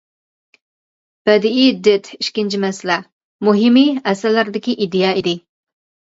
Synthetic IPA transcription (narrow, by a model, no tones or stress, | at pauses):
b̥ɛd̪ɪid̪ɪt̪ʰiʃkʲɪnt͡ʃʰimɛsɪlɛ | muɦɪmiɛsælːæɾd̪ɪkʲiʔid̪ejɑːid̪ɪ